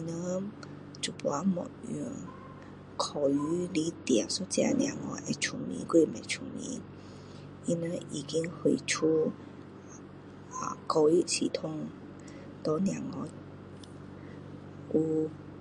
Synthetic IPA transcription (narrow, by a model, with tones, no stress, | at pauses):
i˧nə˧˦ | t͡su˨˩pwa˧˦mɔ̰˨ʔṵ˧˩ | kʰɔ˨˩y˧˦li˦t̪ja˨su˦t͡sa̰˧˦njã̰˨ŋɔ̰˧˦ʔɛ˧˩t͡ʃʰu˧˩mḭ̃˧˦kwe˥˧˨mɛ̰˨t͡ɕʰu˧˨mḭ˧˦ | i˧nə˧i˨˩ki˦˥ŋhe˨˧˩t͡ʃʰu˦ | a˨kɔ˧i˧˥si˨t̪ʰʊ˥˨ŋ | t̪ɔ˧˦njã˨ŋɔ˧ | u˧